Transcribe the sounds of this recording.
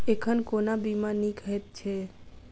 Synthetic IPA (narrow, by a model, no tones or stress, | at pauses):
ekʰənkonabimanikəet̪̚t͡ʃʰɛ